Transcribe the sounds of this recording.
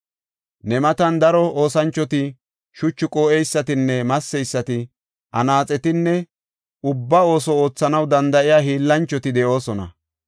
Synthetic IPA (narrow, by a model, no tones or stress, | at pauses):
nɛmɐt̪ɐnd̪ɐɾɔo̞ːsɐnt͡ʃːɔt̪ɪ | ʃʊt͡ʃːɪkʼoːʔɛjsːɐt̪ɪnːɛmɐsːɛjsːɐt̪ɪ | ʔɐ̰naːt͡sʼɛt̪ɪnːɛ | ʊbːɐo̞ːsɔo̞ːt͡sːɐnɐwd̪ɐnd̪ɐʔɪjaːɦiːlːɐnt͡ʃːɔt̪ɪd̪ɛʔo̞ːsɔnɐ̰